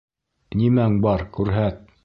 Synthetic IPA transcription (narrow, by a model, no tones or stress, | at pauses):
nimæŋbɑɾkʉɾɦæt̪̚